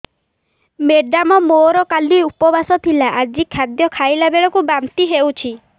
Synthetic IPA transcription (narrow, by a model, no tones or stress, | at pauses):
meɖamɔmoɾɔkaliupɔbasɔt̪ʰilaʔad͡ʒikʰːad̪jɔkʰajlabeɭɔkubamt̪iɦewt͡ʃʰi